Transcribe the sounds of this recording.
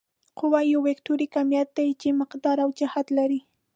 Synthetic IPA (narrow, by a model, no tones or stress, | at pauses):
qʊwajowekt̪uɾikamjat̪̚ːajd͡ʒɪmɪqd̪ɑɾawd͡ʒahat̪laɾi